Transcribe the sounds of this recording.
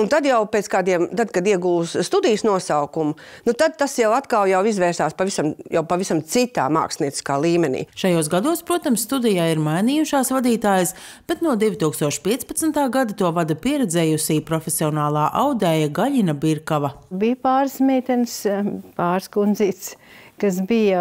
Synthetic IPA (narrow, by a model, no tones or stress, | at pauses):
unt̪ad̪jawpet̪skaːd̪iɛmt̪ad̪̚kad̪iɛɡulˠsst̪ud̪ijsnuɔsaʊkumʊnut̪ad̪̚t̪ːasjawat̪kalˠjawizvɛːɾsaːspavisamjawpavisamt̪sit̪a̰ːma̰ːksniɛt̪iskaːlˠiːmɛnḭːʃajoːsɡad̪uɔspɾuɔt̪amsːt̪ud̪ɛjaːiɾmajnijuʃaːsvad̪iːt̪aːjəs | b̥et̪nuɔd̪ivʲit̪uːkst̪uɔʃpʲiɛt̪spɐt̪snt̪aːɡad̪at̪uɔvad̪ɐpiɛɾɛd̪zɛːjusiːpɾɔfʲesiɔnaːlˠaːʔawd̪ɛjɐɡaʎinɐbiɾkaʋɐbiːpaːɾsmʲɛːt̪ʲɛnspaːɾskunziːs | kɐsbijɐ